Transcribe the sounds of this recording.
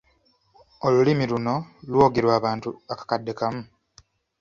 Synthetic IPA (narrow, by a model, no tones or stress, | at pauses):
o̞lulimiluno̞lwo̞ːɡeɾwaːβaːntuakḁkadːe̞kamu